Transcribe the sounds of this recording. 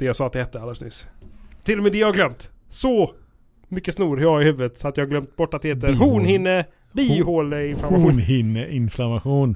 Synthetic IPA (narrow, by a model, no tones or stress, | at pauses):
d̪̥ɛjaːsɑːat̪d̪ɛhɛt̪ːəalːɾəsnʏ̰st̪ʰːɪlːɔmeːd̪ɛjɑhaɡlœmt̪sɔ | mʏkːəsnuːɾhaɪhʉ̟ːvət̪at̪jɑːhaɡlœmt̪̚bɔʈːat̪d̪ɛheːt̪ːəɾhuːnhɪnːə | biːhoːləɪnflamaɧuːnhɪnːəʔɪnflamaɧuːn